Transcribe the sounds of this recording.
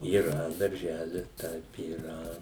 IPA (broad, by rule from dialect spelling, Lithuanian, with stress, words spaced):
iːˈrɐ dɐrʲˈʒʲæːlʲɪs ˈtɐɪp iːˈrɐ